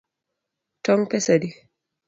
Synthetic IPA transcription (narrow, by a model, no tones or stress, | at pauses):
tɔŋpɛsadi